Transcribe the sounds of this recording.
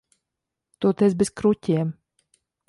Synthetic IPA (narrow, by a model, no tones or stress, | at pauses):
t̪uɔt̪ɛzbeskɾutʲiɛm